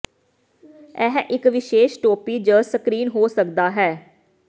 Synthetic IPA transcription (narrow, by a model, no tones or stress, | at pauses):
ɛɦʔɪkʋɪʃeːʃʈoːpiːd͡ʒəːsəkɾiːnɦoːsəkd̪aːɦɛː